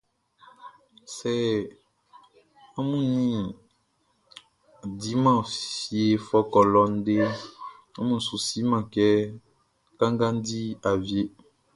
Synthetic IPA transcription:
sɛ˨ | a˦mũ˦nĩ˦ | di˨˦mã˦˨fi˨e˨fɔ˦kɔ˨lɔ˨n̩˦de˦ | a˦mũ˦n̩˨su˨si˦mã˨kɛ˦ | kã˦ŋɡã˦n̩˦di˦a˨vje˦

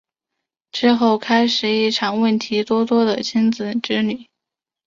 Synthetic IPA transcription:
ʈ͡ʂɻ̩˥˧xo˥˩ʊkʰa˥ɪʂɻ̩˨˩i˥˩ʈ͡ʂʰɑ˨˩ŋwə˥˩nt̪ʰi˧˥t̪wɔ˥t̪wɔ˥d̪ə̰˨t͡ɕʰi˥nd͡zɹ̩˨˩ʈ͡ʂɻ̩˥ny˨˩˦

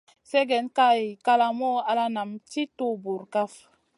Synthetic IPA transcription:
se˦ɡɛ˨˦nka˦jka˦la˨mɔ˦a˧la˦na˨mti˦to˦bu˨ɾka˦f

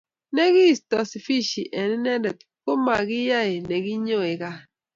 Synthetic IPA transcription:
ne˦ɡi˦˨stɔ˨si˨fi˦ʃi˨ʔɛ˨ni˦nɛ˦dɛ˨t̚ko˦ma˨ɡɪ˦ja˦e˨ne˨ɡi˦ɲo˦e˨ka˦

